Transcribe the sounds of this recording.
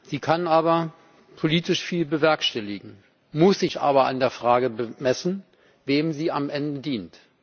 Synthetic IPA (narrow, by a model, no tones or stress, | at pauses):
z̥iːkʰanʔaːβɐ | pʰoliːtɪʃfiːlbəvɛɐkʃtɛlɪɡŋ̩ | mʊsz̥ɪçʔa̰ːbɐʔa̰ndeːɐfʁ̥aːɡəbəmɛsn̩ | veːmziːamʔɛndədiːnt